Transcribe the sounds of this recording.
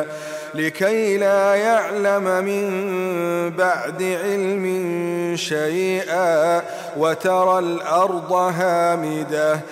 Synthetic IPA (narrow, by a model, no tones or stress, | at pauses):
lɪkajlaːjaʕlammɪm | baʕd̪ɪʕɪlmɪnʃajʔa | wat̪ɑɾˤɑlʔɑɾˤd̪ˤɑɦaːmɪd̪a